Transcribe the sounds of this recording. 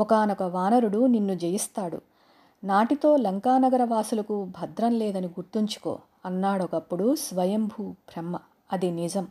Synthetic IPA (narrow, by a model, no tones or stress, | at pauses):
ɔkaːnɔkɐʋaːnɐɾuɽuninːud͡ʒejɐst̪aːɽṵ | naːʈit̪o̞ːlɐŋkaːnɐɡɐɾɐʋaːsulɐkubʱɐd̪ɾɐmlɛːd̪ɐniɡuɾt̪iɲt͡ʃu̥ko̞̰ː | ɐnːaːɽɔkɐpːuɽusʋɐjɐmbʱuːpɾɛmːɐ | ɐd̪inid͡ʒɐm